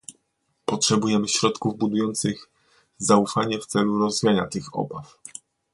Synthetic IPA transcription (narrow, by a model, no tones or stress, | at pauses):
pɔtʂɛbujɛmɘɕɾɔt̪kuvbud̪ujɔnt̪sɘɣ | zaufaɲɛft̪sɛluɾɔzvʲijaɲat̪ɘxɔ̰baf